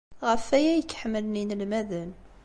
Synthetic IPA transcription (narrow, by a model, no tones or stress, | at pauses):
ʁəfæjæjəkːħməlninlmæðən